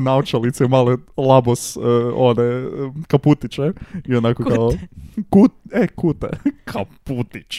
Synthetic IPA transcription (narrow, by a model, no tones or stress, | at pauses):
naot͡ʃalit̪sɛmalelˠaboso̰dekaput̪it͡ʃeionakokaokut̪ekut̪ḛkʰaput̪it͡ʃ